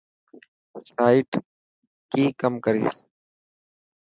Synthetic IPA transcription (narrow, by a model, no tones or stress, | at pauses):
saːɪʈ | kiːkəmkəɾḭːs